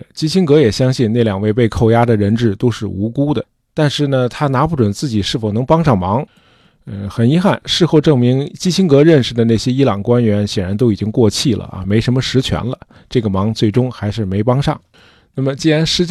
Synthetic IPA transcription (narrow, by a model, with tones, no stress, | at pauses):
t͡ɕi˥ɕi˥ŋkɤ˧˥jɛ˨˩ɕjɑ˥ŋɕi˥˧na˥˩ɪljɑ˨˩ŋwe˥˧ɪpe˥˧ɪkʰo˥˩ʊja˥d̪ə˨ɻə˧˥nʈ͡ʂɻ̩˥˩t̪o˥ʊʂɻ̩˥˩u˧˥ku˥d̪ə˨ | t̪a˥˧nʂɻ̩˥˩nə˩t̪ʰa˥na˧˥pu˥˩ʈ͡ʂwə˨˩nt͡sɹ̩˥˩t͡ɕi˨˩ʂɻ̩˥˩fo˨˩ʊnɤ˧˥ŋpɑ˥ŋʂɑ˥˩ŋmɑ˧˥ŋ | ə˧xə˨˩ni˧˥xa˥˩nʂɻ̩˥˧xo˥˧ʊʈ͡ʂɤ˥˩ŋmi˧˥ŋt͡ɕi˥ɕʰi˥ŋkɤ˧˥ɻə˥˩nʂɻ̩˨˩d̪ə˩na˥˩ɪɕjɛ˥i˥lɑ˨˩ŋkwa˥nɥɛ˧˥nɕjɛ˨˩nɻa˧˥nt̪o˥ʊi˨˩t͡ɕi˥ŋkwɔ˥˧t͡ɕʰi˥˩lə̰˩ɐ̰˧me˧˥ɪʂə˧˥nmə˧ʂɻ̩˧˥t͡ɕʰɥɛ̰˧˥nlə̰˧ | ʈ͡ʂɤ˥˩ɡə˩mɑ˧˥ŋt͡swe˥˩ɪʈ͡ʂʊ˥ŋxa˧˥ɪʂɻ̩˥˩me˧˥ɪpɑ˥ŋʂɑ̰˥˩ŋ | na˥˩mə˩t͡ɕi˥ɻa˧˥nʂɻ̩˧˥t͡ɕ